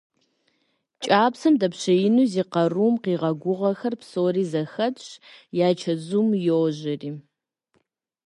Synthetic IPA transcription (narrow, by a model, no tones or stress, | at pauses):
t͡ʃʼaːpsɐmdɐpɕɐjɪnuːziːqɐruːmqiːʁɐɡʷʊʁɐxɐrpsoːɾiːzɐxɐtɕjaːt͡ʃʰɐzumjoʒɐriː